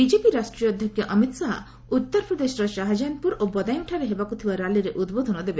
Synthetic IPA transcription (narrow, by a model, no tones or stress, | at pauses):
bid͡ʒepiɾasʈɾijɔd̪ʱjɔkjɔʔɔmit̪saɦ | ut̪ːɔɾpɾɔd̪eʃɔɾɔʃaɦad͡ʒanpuɾʔobɔd̪ajɔŋʈʰaɾeɦebakut̪ʰibaɾaliɾeʔud̪bod̪ʱɔnɔd̪ebe